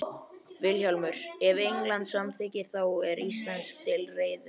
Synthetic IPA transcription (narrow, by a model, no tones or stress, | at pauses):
vɪlçalmʏɾ̥ɛvejŋklant̪samθʰɪːcɪθawɛɾist̪lansk̚t̪ʰɪlreːjð